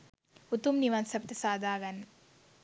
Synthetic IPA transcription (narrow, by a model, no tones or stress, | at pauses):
ut̪umniʋansɐpt̪ɐsaːd̪aːɡɐn